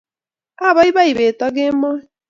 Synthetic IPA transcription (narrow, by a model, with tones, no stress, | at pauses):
a˦˨ba˦i˦ba˦i˨be˨tɔ˦ɡe˦mɔ˦˨